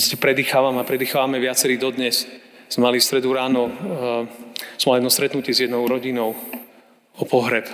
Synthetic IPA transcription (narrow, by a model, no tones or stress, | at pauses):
cɛpɾɛd̪iːxaːʋamapɾɛd̪iːxaːʋamɛʋɪat͡sɛɾiːd̪ɔd̪ɲɛsz̥ɛmalist̪ɾɛd̪uɾaːnɔ | z̥mɛmalijɛd̪nɔst̪ɾɛt̪nucɛzjɛd̪nɔʊɾɔɟinɔʊ | ɔpɔɦɾɛp